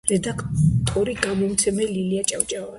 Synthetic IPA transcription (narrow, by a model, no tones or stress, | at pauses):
ɾɛd̪akʰt̪ʼɔɾiɡamɔmt̪sʰɛmɛliliat͡ʃʼawt͡ʃʼavan